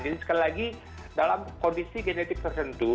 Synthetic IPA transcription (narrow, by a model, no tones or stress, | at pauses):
d͡ʒinsə̥kalilaɡi | dalamkondisiɡɛnɛt̪ɪk̚t̪ərt̪ənt̪u